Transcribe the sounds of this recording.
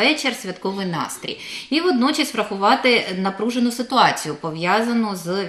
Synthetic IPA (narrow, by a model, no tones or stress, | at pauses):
ɛt͡ʃersʲʋʲɐt̪kɔʋɪjnɑ̰st̪ɾʲḭjiʋɔd̪nɔt͡ʃɐsʲʋɾɐxʊʋɑt̪ɪnɐpɾuʒenʊsɪt̪ʊɑt͡sʲijʊpɔʋjazɐnʊz